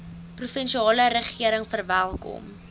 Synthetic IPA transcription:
prufənʃiɑːləɾəχiəɾəŋfərvælˠkɔ̰m

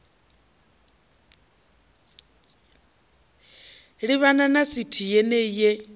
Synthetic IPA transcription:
ɺiβananasitʰijɛnɛjɛ

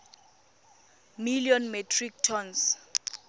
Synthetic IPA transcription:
miliɔnmɛtʰrik̚tʰɔns

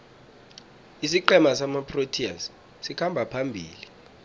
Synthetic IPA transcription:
isiǃɛmasamapʰrotʰia̰s | sikʰambʱapʰambʱḭːli

